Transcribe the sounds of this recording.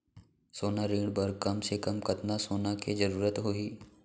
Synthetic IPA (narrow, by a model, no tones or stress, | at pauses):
soːnaɾiːɽbɐɾkɐmsekɐmkɐt̪nasoːnaked͡ʒɐɾuːɾət̪ɦoiː